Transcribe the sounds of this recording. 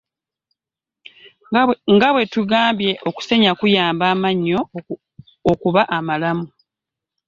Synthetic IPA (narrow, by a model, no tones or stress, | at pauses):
ŋɡaβwe̞tuɡaːmbje̞ʔo̞ku̥se̞ɲakujaːmbaːmaɲːo̞ː | kuβaʔamalamu